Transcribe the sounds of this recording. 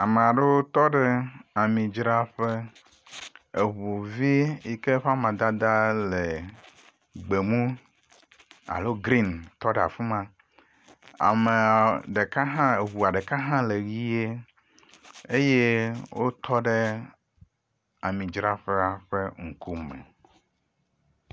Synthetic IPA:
a˨me˨a˨ɖe˦wo˦t̪ɔ˦ɖe˦a˨mĩ˨d͡ʒɾa˦ɸe˦ | e˨βu˨vi˦ji˨ke˦ɸa˦mã˨d̪a˦d̪a˦le˨ | ɡ͡be˨mũ˦ | a̰˨lo˦ɡɾi˦nt̪ɔ˦ɖa̰˨fu˦mã˦ | a̰˨me˨ɖe˨ka˦ɦã˦e˨βu˨a˨ɖe˨ka˦ɦã˦le˨ɣi˦je˦ | e˦je˦wʔo˦t̪ʰɔ˦ɖe˦ | a˨mĩ˨d͡ʒɾa˦ɸe˦a˨ɸe˦ŋ̩˨ku˦mɛ̰˨

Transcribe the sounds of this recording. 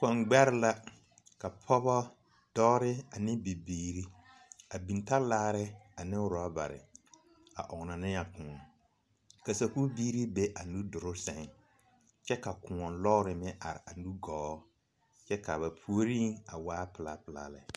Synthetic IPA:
kɔ˨nɡ͡bɛ˦ɾɪ˦la˦ | ka˨pʰɔ˦bɔ˦ | d̥ɔː˦ɾɪ˦a˨nɪ̃˦bi˨biː˦ɾi˦ | a˨bi˨nta˦laː˦ɾɪ˦a˨nɪ˦ʊ˨ɾa˦ba̰˨ɾɪ̰˨ | a̰˨ʔʊ˨ɡna˨nɪ˦ja˨kũː˨ɔ˨ | ka˨sa˨ku˦biː˦ɾi˦be˦ʔa˨nu˦dʊ˨ɾʊ˦sɛ˨ŋ˨ | t͡ʃɛ˦ka˨kʊ̃˨ɔ˨nlɔ˦ɾɪ˨mɪ˦ʔa̰˨ɾɪ˨a˨nu˦ɡɔː˨˦ | t͡ʃɛ˦ka˨βa˨pʰu˦o˦ɾi˦a˨waː˦pɪ˨la˦pɪ˨la̰˦˨lɛ̰˨

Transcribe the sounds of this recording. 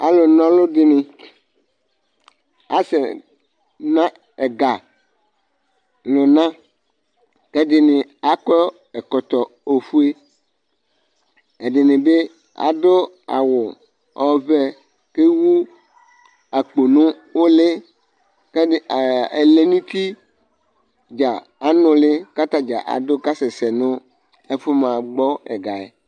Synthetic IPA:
a̰˨lo˨nɔ̃˦lʊ˦dɪ˨nɪ̃˨ | a̰˨sɛ˨ | nã˦ | e˨ɡa˨ | lʊ˨nã˦ | ke˦dɪ˨nɪ̃˨a˨kɔ˦ | e˨kɔ˨t̪ɔ˨ | o˨fu˦e˦ | e˨ɖɪ˨nɪ̃˨be˦ | a̰˨do˦ | a̰˨wʊ˨ | ɔ˦vɛ˦ | ke˦wu˦ | a˨k͡po˨nʊ̃˦ | wo˦lɪ˦ | ke˦˨e˨le˦˨nũ˦t̪i˦ | d͡ʒa˨ | a˨nʊ̃˨lɪ˦ka˦t̪a˦d͡ʒa̰˨ʔa̰˨dʊ˦ka˦sɛ˨sɛ˨nʊ̃˦ | e˦fʊ˦mã˨ɡ͡bɔ˦ɛ̰˨ɡa˨ḛ˨

